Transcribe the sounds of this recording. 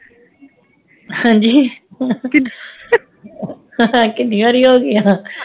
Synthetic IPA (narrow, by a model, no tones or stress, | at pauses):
hãːd͡ʒiː | ãkɪd̪ĩʋaɾiɦoːɡɪjãː